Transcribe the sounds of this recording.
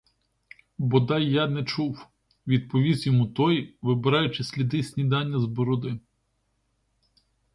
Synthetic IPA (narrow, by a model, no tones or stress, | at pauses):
bɔd̪ɑjːɑnɛt͡ʃuw | ʋʲid̪̚pɔʋʲizʲjɔmut̪ɔjʋɪbɪɾɑjʊt͡ʃɪsʲlʲid̪ɪsʲnʲid̪ɑnʲːɐzbɔɾɔd̪ɪ